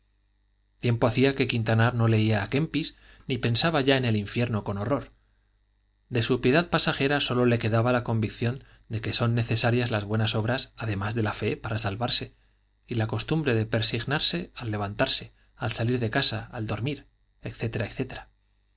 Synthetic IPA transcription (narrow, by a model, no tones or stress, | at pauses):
t̪je̞mpo̞aθiake̞kint̪anaɾno̞le̞iaːke̞mpis | nipe̞nsaβaʝae̞ne̞liɱfje̞ɾno̞ko̞no̞ro̞ɾ | d̪e̞supje̞ðaðpasaxe̞ɾaso̞lo̞le̞ke̞ðaβalako̞mbikθjo̞n | d̪e̞ke̞so̞nːe̞θe̞saɾjazlazβwe̞nasoβɾasaðe̞mazðe̞lafe̞paɾasalβaɾse̞ | ilako̞st̪umbɾe̞ðe̞pe̞ɾsiɣnaɾse̞alːe̞β̞ant̪aɾse̞ | alsaliɾðe̞kasaald̪o̞ɾmiɾ | e̞kθe̞t̪e̞ɾaekθe̞t̪eɾa